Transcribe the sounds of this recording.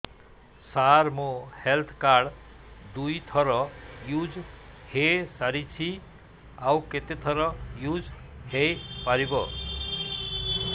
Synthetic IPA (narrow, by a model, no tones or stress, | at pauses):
sarmohelt̪ʰkaɖ | d̪ujt̪ʰʌɾʌjud͡zhesaɾit͡sʰi | awket̪et̪ʰʌɾʌjud͡z | hepaɾibʌ